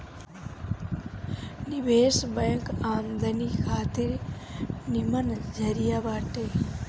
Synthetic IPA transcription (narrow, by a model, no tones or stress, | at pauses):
niʋeːsbəjŋkaːmd̪ʱɐnikʰaːt̪iɾ | nimɐnd͡ʒʱɐɾijaʋaːʈeː